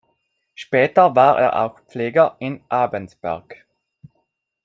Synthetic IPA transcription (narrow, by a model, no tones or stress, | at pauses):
ʃpɛːtɐvaːʁʔḛːɐʔa̰ʊxpp͡fleːɡəʔɪnʔaːbənsb̥ɛ̰ɐk